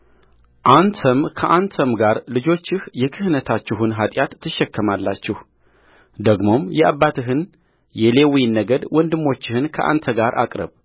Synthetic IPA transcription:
ʔant̪ʰəmkʰəʔant̪ʰəmɡaɾlɨd͡ʒo̞t͡ʃːɪhjɛkʰɨhnət̪ʰat͡ʃːɪɦɨnɦat̪ʼjat̪ʰːɨʃːɛkːəmalːat͡ʃːɪh | d̪əɡmo̞mjɛʔaβːat̪ʰɨɦɨn | jɛle̞winːəɡəd̪wɔnd̪ɨmːo̞t͡ʃːɪhɨnkʰəʔa̰nt̪ʰəɡaɾʔa̰kʼɾə̰β

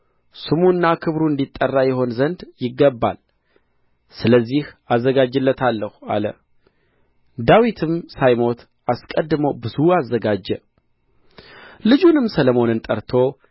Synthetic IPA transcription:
sɨmunːakʰɨβɾuɨnd̪it̪ʼːərːajɛho̞nzənd̪jɪɡːəbːa̰l | sɨləzːihazːəɡad͡ʒɨlːət̪ʰalːəha̰lə̰ | d̪awit̪ʰɨmsajmo̞t̪ | askʼəd̪ːɨməwbɨzuazːəɡad͡ʒːɛ | lɨd͡ʒunɨmsələmo̞nɨnt̪ʼəɾt̪ʰo̞

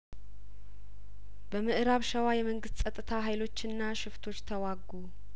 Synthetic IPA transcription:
bəmɨʔɾaβʃəwajɛməŋɡɨst̪sʼət̪ʼːɨt̪ʰaɦajlo̞t͡ʃːɨnːaʃɪft̪ʰo̞t͡ʃːt̪ʰəwaɡːu

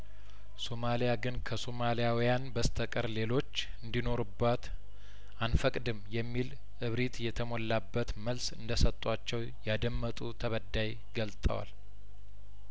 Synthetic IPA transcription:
somalijaɡɨnkʰəsomalijawijanbəst̪ʰəkʼəɾle̞lo̞t͡ʃː | ɨnd̪ino̞ɾubːat̪ | anfəkʼd̪ɨmjɛmːil | ʔɨβɾit̪jɛt̪ʰəmolːabːət̪məlsɨnd̪əsət̪ʼat͡ʃːɛw | jad̪əmːət̪ʼut̪ʰəβəd̪ːaj | ɡəlt̪ʼə̰wa̰l

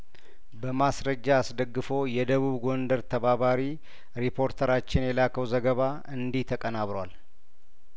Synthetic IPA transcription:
bəmasɾəd͡ʒːaːsd̪əɡːɨfo̞jɛd̪əβuβɡo̞nd̪əɾt̪ʰəβaβaɾi | ɾipʰo̞ɾt̪ʰəɾat͡ʃːɪnjɛlakʰəwzəɡəβa | ɨnd̪iht̪ʰəkʼənaβɾwal

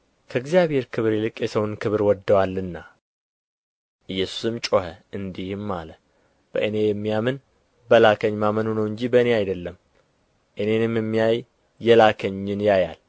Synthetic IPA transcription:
kʰəɨɡzijaβhe̞ɾkʰɨβɾelɨkʼjɛsəwnkʰɨβɾwɔd̪ːəwalːɨnːa | ʔɨjːɛsu̥sɨmt͡ʃʼohəʔɨnd̪ihmːalə | b̥əʔɨne̞jɛmːijamɨn | bəlakʰəɲːmamənunəwɨɲd͡ʒibəne̞ajd̪əlːəm | ʔɨne̞nɨmjɛmːijajː | ɛlakʰəɲːɪnjaja̰l

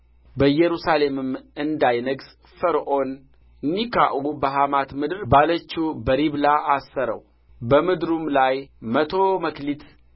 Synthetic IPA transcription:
bəjɛɾusale̞mɨmɨnd̪ajnəɡs | fəɾʔo̞n | nːikaʔubəɦamat̪mɨd̪ɨɾbalət͡ʃːubəɾiβlaʔasːəɾə̰w | bəmɨd̪ɾumlajmət̪ʰo̞məklit̪

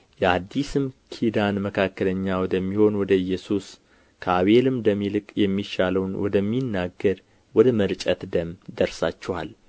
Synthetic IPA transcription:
jɛad̪ːisɨmkʰid̪anməkʰakːələɲːawɔd̪əmːiho̞nwɔd̪əɨjːɛsus | kʰəaβelɨmd̪əmːilɨkʼjɛmːiʃaləwnwɔd̪əmːinːaɡːəɾ | wɔd̪əməɾt͡ʃʼət̪d̪əmd̪əɾsat͡ʃːɛwa̰l

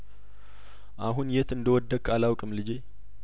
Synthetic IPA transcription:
ʔaɦunjɛt̪ɨnd̪əwɔd̪ːəkʰʼalawkʼɨmlɨd͡ʒe

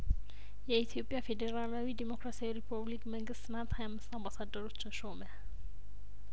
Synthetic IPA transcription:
jait̪ʰiopʼiafɛdɛralawidɛmɔkʰrasijɔripʰablikʼmɛŋɡɪsnat̪ʰaamsambasadɔrut͡ʃɔʃɔmɛ

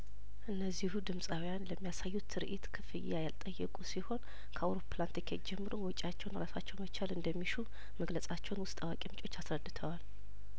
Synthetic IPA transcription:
ʔɨnːəzːihud̪ɨmsʼawijanləmːijasajːut̪ʰɨɾʔit̪kʰɨfɨjːajalt̪ʼəjːɛkʼusiho̞n | kʰəawɾo̞pʰlant̪ʰikʰɛd͡ʒɛmːɨɾowɔt͡ʃʼat͡ʃːɛwnɾasat͡ʃːɛwmət͡ʃʰalɨnd̪əmːiʃu | məɡləsʼat͡ʃːɛwnwʊst̪ʼawakʼimt͡ʃʼo̞t͡ʃːasɾəd̪ːɨt̪ʰəwal

